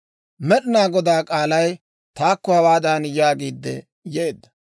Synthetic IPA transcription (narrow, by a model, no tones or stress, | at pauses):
mɛɗɪnaːɡɔd̪aːkʼaːlɐj | t̪aːkːɔhɐwaːd̪aːnjaːɡiːd̪ːɛ̰ | jeːd̪ːɐ